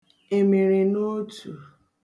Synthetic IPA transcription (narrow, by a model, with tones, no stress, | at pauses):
e˨me˨ɾi˨no˦tu˨